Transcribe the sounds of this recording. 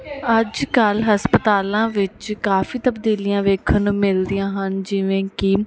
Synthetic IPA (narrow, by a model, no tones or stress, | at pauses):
əd͡ʒkəlɦəspət̪aːlãːʋɪt͡ʃkaːfiːt̪əbd̪iːlijãːʋeːkʰənũːmɪld̪ijãːɦənd͡ʒɪʋẽːkɪ